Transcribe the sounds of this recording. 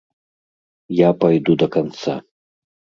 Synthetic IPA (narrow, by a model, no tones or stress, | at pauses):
japajd̪ud̪ɐkant̪sa̰